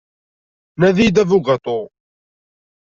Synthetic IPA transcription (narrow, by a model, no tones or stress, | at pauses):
næðid̪ævʊɡət̪ˤo